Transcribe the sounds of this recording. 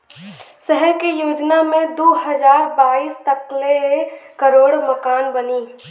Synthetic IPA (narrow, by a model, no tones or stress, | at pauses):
sɛɦɛɾkejoːd͡ʒnamẽd̪oːɦəd͡ʒaːɾbaːiːst̪əklekəɾoːɽməkaːnbəniː